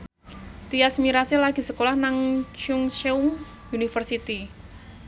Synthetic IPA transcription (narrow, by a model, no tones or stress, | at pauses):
t̪iasmiɾasilaɡ̥i̤səkolahnaŋt͡ʃuŋʃeum | unifərsit̪i